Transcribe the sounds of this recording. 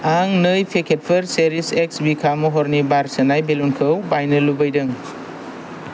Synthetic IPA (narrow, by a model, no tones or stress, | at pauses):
aŋnɯjpʰekʰet̚pʰɯɾseɾisek̚sbikʰamuɦɔɾnibaɾsɐnajbelunkʰɯwbajnɐlubɐjdɯŋ